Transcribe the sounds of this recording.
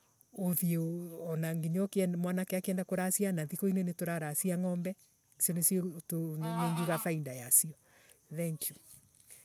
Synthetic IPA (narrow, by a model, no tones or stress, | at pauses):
oðieːnaŋɡiɲɔkɛmwanakeakeɛndakoɾasianaðikoinenetoɾaɾasiaŋɔmbɛ | siɔnestonaŋɡiɣaθaindajasiɔ | θɛŋku